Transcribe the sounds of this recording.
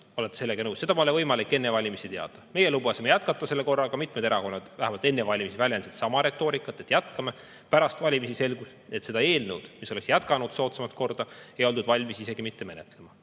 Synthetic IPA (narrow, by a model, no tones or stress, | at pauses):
olet̪ːˑese̞lːeɡɑnɤwse̞d̪ɑmolevɤjmɑlikːˑe̞nːevɑlʲimisit̪e̞ɑ̰d̪̥ɑme̞jelubɑsimejæt̪̚kɑt̪ːˑɑse̞lːeko̞rːɑɡ̥ɑmit̪med̪eɾɑko̞nːɑd̪̥væhæmɑlt̪e̞nːevɑlʲimisivælʲjensit̪sɑmɑɾe̞t̪ːˑo̞ːɾikːˑɑt̪ːˑet̪jæt̪kɑme | pæɾɑst̪vɑlʲimisise̞lɡus | et̪se̞d̪ɑe̞ːlnewd̪̥misoleksjæt̪kɑnud̪̥so̞ːt̪semɑt̪̚ko̞rd̪ɑe̞jo̞lt̪ud̪vɑlʲmisise̞ɡ̥imit̪ːe̞me̞net̪ːˑle̞mɑ